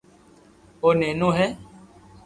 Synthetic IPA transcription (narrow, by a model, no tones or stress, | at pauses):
onɛ̃nõɦɛ